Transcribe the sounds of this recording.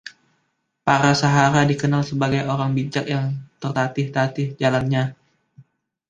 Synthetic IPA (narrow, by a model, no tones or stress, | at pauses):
paɾasaɦaɾadikənalsəbaɡajoɾaŋbid͡ʒak̚jaŋt̪ərt̪at̪ɪht̪at̪ɪhd͡ʒalanɲa